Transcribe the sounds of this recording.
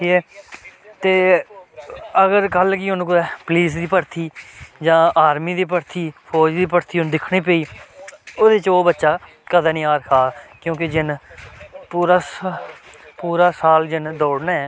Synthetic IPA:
iːɛː | t̪eː | əɡəɾkəlkiːɦʊnkʊɾɛːpəliːs̬d̪iːpəɾt̪ʰiːd͡ʒãːaːɾmiːd̪iːp̬əɾt̪ʰiːpʰɔːd͡ʒd̪iːpəɾt̪ʰiːɦʊnd̪ɪkʰɽ̃ĩːp̬eːiː | oːd̪ɪt͡ʃoːbətːʃaː | kəd̪aːnĩːaːɾkʰaːkjõːked͡ʒɪn | puːɾaːs | puːɾaːsaːld͡ʒɪnd̪ɔːɽnaːɛː

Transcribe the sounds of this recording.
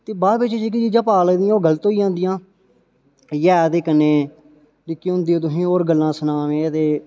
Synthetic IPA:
t̪eːbaːbɪt͡ʃet͡ʃiːk̬ɪt͡ʃiːd͡ʒãːpaːleːd̪ɪjãːoːɡələt̪oːiːãːnd̪ɪjãː | jɛːt̪eːkəneː | likiʊ̃nd̪iːt̪ʊɦĩːoːɾɡəlːãːsənaːʋẽːt̪eː

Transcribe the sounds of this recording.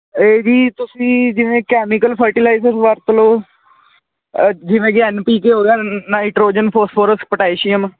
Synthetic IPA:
eːd͡ʒiːt̪ʊsĩːd͡ʒɪʋẽːkɛːmɪkəlpʰəɾʈɪlaːɪsəɾsʋəɾt̪loː | d͡ʒɪʋẽːɡaːnpiːkeːɦoːɡeaːnaːɪʈɾoːd͡ʒənpʰoːspʰoːɾəsk̚pəʈaːiʃɪjəm

